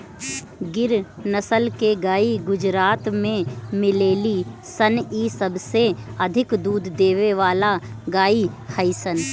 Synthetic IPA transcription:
ɡɪɾnəsəlkeɡaːiɡʊd͡ʒɾaːt̪mẽmɪleːlisəniːsəbʱseɐd̪ʱɪkd̪uːd̪ːeːʋeʋaːlaɡaːihəɪsən

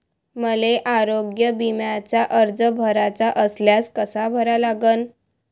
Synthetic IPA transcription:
məleʔaɾoɡjəbimjat͡ɕaʔəɾd͡zəbʱəɾat͡saʔəsljaskəsabʱəɾalaɡən

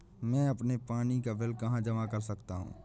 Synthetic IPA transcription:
mɛ̃ɐpnepaːnikabɪlkɐɦãd͡ʒɐmakɐɾsɐkt̪aɦṵ̃ː

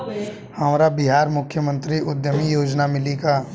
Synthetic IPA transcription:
hɐmɾabɪɦaːɾmʊkʰːjəmə̃nt̪ɾiʔʊd̪jəmijoːd͡ʒnamɪlikaː

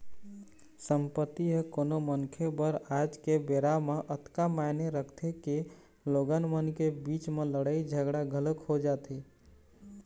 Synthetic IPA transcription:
səmpət̪ːiɦekonomənkʰebəɾad͡ʒkebeɾameʔət̪kamaneɾəkʰt̪ʰeke | loɡənmənkebit͡ʃmeləɽəjd͡ʒʱəɡɽaɡʱələkhod͡ʒat̪i

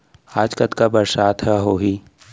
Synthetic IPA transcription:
aːd͡ʒkət̪kabəɾsaːt̪ɦɛɦoːɦiː

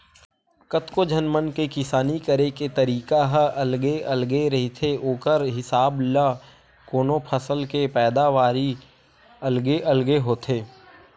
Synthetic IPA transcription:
kət̪kod͡ʒənmənkekɪsaːnikəɾeket̪əɾiːkaɦʔɐlɡeɐlɡeɾɐɦit̪ʰeoːkəɾɦɪsaːbla | koːnopʰəsəlkepɛːd̪aʋaːɾi | ɐlɡeʔəlɡeɦoːt̪ʰeː

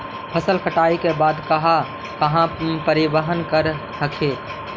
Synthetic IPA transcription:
pʰəsəlkʰəʈaːikebaːd̪kɐɦa | kəɦãpəɾɪbəɦənkəɾ | səkʰeː

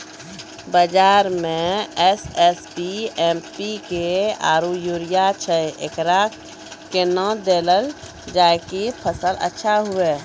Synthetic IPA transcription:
bəd͡ʒaːɾmẽɛsɛspiɛmpikea̰ːɾujuɾijat͡ʃʰəḛkɾa | kenə̃d̪eləl | d͡ʒajkipʰəsələ̰tːʃʰaɦue

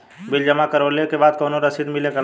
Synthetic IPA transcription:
bild͡ʒəmakəɾblekebad̪̚kəwnoɾəsid̪milekel

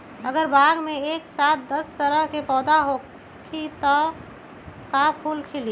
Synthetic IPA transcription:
əɡəɾbʱaːɡmẽeːksaːt̪̚d̪əst̪əɾəɦkepɔːd̪aɦo | kʰit̪ɔ | kapʰuːlkʰɪli

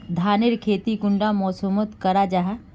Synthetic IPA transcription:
d̪ʱaːnɪɾkʰeːt̪ikʊ̃ɳɖamɔːsomət̪kɐɾad͡ʒaɦ

